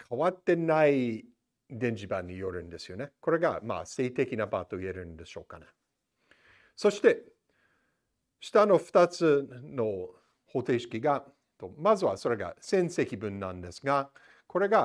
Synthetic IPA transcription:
kʰaβat̪ːe̞nai | d̪ẽ̞ɲ̟d͡ʑibãɲ̟ːijo̞ɾɯ̟̃nd̪e̞sɨjo̞ne̞ko̞ɾe̞ɡa̰ma̰se̞ːit̪e̞kʲinabaːt̪o̞ie̞ɾɯ̟̃nd̪e̞ɕo̞ːkane̥ | so̞ɕi̥t̪e̞ | ɕi̥t̪ano̞ɸɯ̟̥t̪at͡sɨno̞ | ho̞t̪e̞ɕi̥kʲiɡa | t̪omazɨβaso̞ɾe̞ɡa̰sẽ̞ɰse̞kʲibɯ̟̃nːãnd̪e̞sɨɡa | kʰo̞ɾe̞ɡa

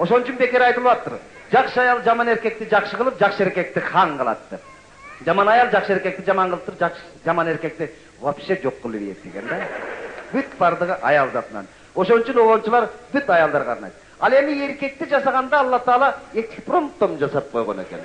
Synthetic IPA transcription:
o̞ʃo̞nt͡ʃʰynbe̞kʲeɾɑjt̪ɨlˠβɑpt̪ːʊɾ | d͡ʒɑqʃəɑjɑlˠd͡ʒɑmɑne̞ɾkʲe̞k̚t̪ɪd͡ʒɑqʃəʁəlˠəp̚d͡ʒɑqʃəe̞ɾkʲe̞k̚t̪ɪχʰɑɴqʰɑlˠɑ̰t̪d̥̪ep̚ | d͡ʒɑmɑnɑjɑlˠd͡ʒɑqʃəe̞ɾkʲe̞k̚t̪ɪd͡ʒɑmɑɴqəlˠəpt̪ːɾp̚d͡ʒɑqʃ | d͡ʒɑmɑne̞ɾkʲe̞k̚t̪ɪ | wopʃed͡ʒo̞qːəlˠiβḭjḛt̪̚d̪eɡʲe̞nd̪æbyt̪̚bɑɾd̪əʁəʔɑjɑlˠzɑt̪ənɑ̰n | o̞ʃo̞nyt͡ʃynolont͡ʃulˠɑɾbyt̪ɑjɑlˠd̪ɑɾʁʰɑ̰ɾnɑ̰jt̪̚ | ɑlˠe̞mɪe̞ɾkʲe̞k̚t̪ed͡ʒɑsɑʁɑnd̪ɑːlˠːɑt̪ɑlˠɑet̪kʲpro̞mp̚t̪ːomnd͡ʒɑsɑp̚qʰo̞jʁone̞̰kʲe̞n

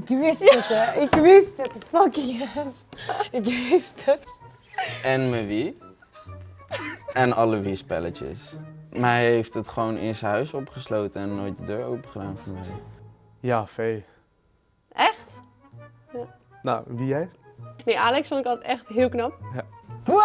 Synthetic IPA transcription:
ɪkʋɪsətɛɪkʋɪstətəfʌkɪŋasɪkʋɪstət | ɛnməʋi | ɛnɑləʋispɛ̰lət͡ʃə̰smaɦɛjɦejftətχəʋownʔɪ̰nsəɦœɥsɔpχəslowtəɛnːojt̚dədøːɹo̰wpəχədaːnfɔɹmɛj | jaːfej | ʔɛχt | ja | naʋijɛjnejʔaːlɛksfõntɪkɔlˠttɛχtɦɪːlˠknɑp̚

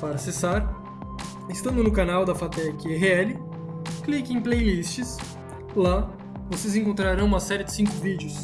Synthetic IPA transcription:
paɾɐasesaɾ | est̪ɐ̃nd̪ʊnʊkanawd̪ɐfat̪ɛkɪɛɦɪɛlɪ | klikɪẽj̃plejlist͡ʃɪs | la | vosezẽŋkõnt̪ɾaɾɐ̃w̃ũmɐsɛɾɪd͡ʒɪsĩŋkʊvid͡ʒjʊs

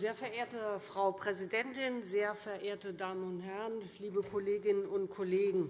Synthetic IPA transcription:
zeːɐfɛɐʔeːɐtəfʁ̥aʊpʁ̥ɛzidɛntɪnzeːɐfɛɐʔeːɐtədaːmənʊnthɛʁənliːbəkʰɔleːɡɪnənʊntkʰɔleːɡŋ̩

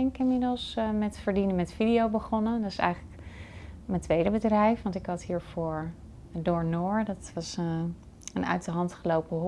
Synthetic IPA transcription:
ɛŋkɪmɪdəlˠsmɛtfəɹdinəmɛtfidiowbəχɔnədɑtɪsɛ̰jχələk | məntʋejdəbədrɛjfʋɑntɪkɦɑtɦiːɹv̥ʊːɹ | dʊːɹnʊːɹdɑtʋɑs | ənœ̰ɥtəɹɦɑntχəlowpəɦ

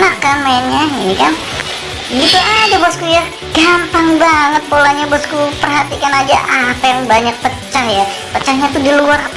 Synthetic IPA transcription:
nakːanmaɪnɲaikan | ɡit̪uadabɔskuja | ɡ̥ampaŋbaŋət̪̚polaɲabɔskupərɦat̪ikanad͡ʒa̰ʔapajaŋbaɲak̚pət͡ʃːahjapət͡ʃahɲat̪udiluarap

